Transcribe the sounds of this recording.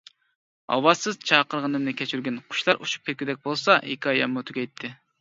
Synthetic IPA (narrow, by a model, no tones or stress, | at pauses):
ɑ̰wɑzsɨz̥t͡ʃʰɑːqəɾʁənɨmnɨkʲʰɛt͡ʃʰyɾɡʲɛnqʰʊ̥ʃlˠɑɾʔuʃu̥p̚kʰʲɛt̪̚ʲkʲyd̪ɛk̚ʲbolˠsɑʔḛkʰɑjɑmut̪ʰykʲɛjt̪ʰːɪ